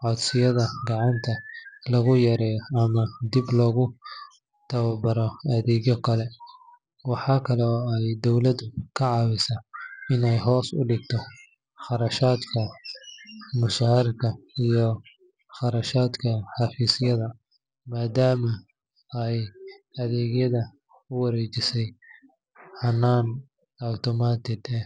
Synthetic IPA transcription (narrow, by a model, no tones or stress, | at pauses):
ʕɔd̪sɪjɐðɐɡɑʕɑnt̪ʰɐlɐɣʊjɐɾɛːjɔɐmɐd̪iblɔːɣʊ | t̪ʰɐwɐbɐɾɔɐðɛːɣɔkʰɐlɛ | wɑħɑːkʰɐlɛɛjd̪ɔwlɐd̪ʊkʰɐʕɑːwɪsaɪnɛjɦɔːsʊ̰ɖɪɡ̚t̪ʰɔ | χɑɾɐʃaːd̪kʰɐ | mʊʃaːɐɾkʰɐijɔ | χɑɾɐʃaːd̪kʰɐħɑːfiːsɪjɐðɐ | maːd̪aːmɐ | ɛjɐðɛːɣjɐðɐ | ʊwɐɾɛt͡ʃɪsɛj | hɐnːaːn | ɐwt̪ʰɔmaːt̪ʰɪd̪ɛ